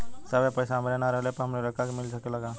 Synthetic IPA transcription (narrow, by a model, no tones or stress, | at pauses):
səbepəjsaɦəmɾenaɾəɦlepəɾɦəmɾeɾəkakemɪlsəkeləɡa